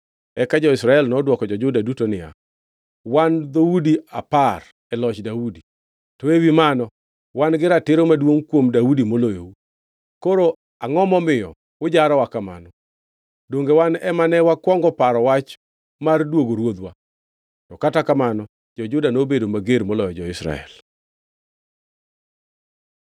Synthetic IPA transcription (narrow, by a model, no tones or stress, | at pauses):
ɛkad͡ʒɔɪsɾaɛlnɔdwɔkɔd͡ʒɔd͡ʒʊdadutonɪa̰ | wand̪oudiapar | ɛlɔt͡ʃdaudi | tɔewimanɔ | wanɡɪɾatɪɾomadwoŋkwomdaudimolojo̰u | koɾo | aŋɔmɔmɪɔ̰ | ʊd͡ʒaɾɔwakama̰nɔ | doŋɡewanɛmanɛwakwɔŋɡɔpaɾɔwat͡ʃ | mardwoɡoɾwod̪wa | tɔkatakamanɔ | d͡ʒɔd͡ʒʊdanobedomaɡeɾmolɔjɔd͡ʒɔɪsɾa̰ɛ̰l